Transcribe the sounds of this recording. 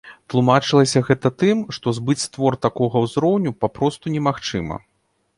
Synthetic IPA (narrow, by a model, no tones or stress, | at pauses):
t̪lˠumat͡ʂɨlˠɐsʲɐɣɛt̪ɐt̪ɨmʂt̪ɔzbɨt͡sʲst̪vɔrt̪akɔɣɐwzɾɔwnʲupapɾɔst̪unʲɛmaxt͡ʂɨmɐ̰